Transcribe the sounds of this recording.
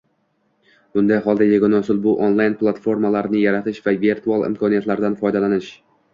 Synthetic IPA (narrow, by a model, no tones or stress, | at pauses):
b̥ʊnd̪ajɦɒlˠd̪ajeɡɒnɒsʊlˠbʊʔonlˠajnplˠat̪fo̞ɾmalaɾnɪjaɾat̪ʰɪʃvave̞ɾt̪ʰualˠɪ̰mkʰɒnijat̪laɾd̪anfɒjd̪alanɪʃ